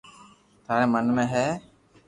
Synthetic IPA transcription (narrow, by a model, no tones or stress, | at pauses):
t̪ʰaɾɛmanumɛɦɛ